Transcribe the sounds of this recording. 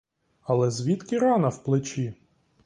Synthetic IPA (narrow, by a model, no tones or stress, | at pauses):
ɐlˠɛzʲʋʲit̪kɪɾɑnɐwplˠɪt͡ʃi